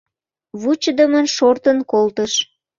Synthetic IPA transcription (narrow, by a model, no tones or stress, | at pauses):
βut͡ɕəd̪əmənʃort̪ənkolt̪əʃ